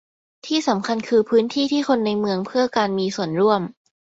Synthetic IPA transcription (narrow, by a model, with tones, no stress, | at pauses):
t̪ʰiː˥˩sa˩˦mkʰa˧nkʰɯː˧pʰɯː˦˥nt̪ʰiː˥˩t̪ʰiː˥˩xʰo˧nːa˧jmɯ˧əŋpʰɯ˥˩ɐkaː˧nmiː˧su˨˩ənɾu˥˩əm